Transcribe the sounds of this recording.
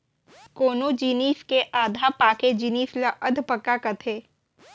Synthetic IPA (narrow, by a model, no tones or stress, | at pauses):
koːnod͡ʒiːniːskeʔaːd̪ʱapaːked͡ʒiniːslaʔɐd̪ʱpəkːakɐt̪ʰeː